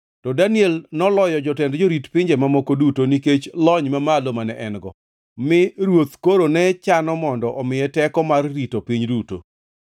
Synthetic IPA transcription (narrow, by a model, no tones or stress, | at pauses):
tɔdaniɛlnɔlɔjɔd͡ʒɔtɛndd͡ʒoɾitpɪɲd͡ʒemamokodutoniket͡ʃlɔɲmamalomanɛʔɛnɡɔ̰ | mɪɾwot̪koɾonɛt͡ʃanɔmɔndɔʔɔmɪjɛtɛkɔmarːitopiɲduto̰